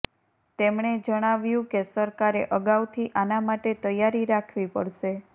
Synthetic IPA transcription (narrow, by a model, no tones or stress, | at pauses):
t̪emɳ̃ed͡ʒəɽ̃aʋjũkesəɾkaɾeʔəɡaʋt̪ʰiʔanamaʈet̪əjːaɾiɾakʰʋipə̰ɽʃe